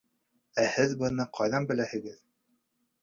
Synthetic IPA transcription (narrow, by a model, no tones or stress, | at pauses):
æhɘðbɤ̆nɤqʰɑjðɑnbɘ̆læhɘ̆ɡɘð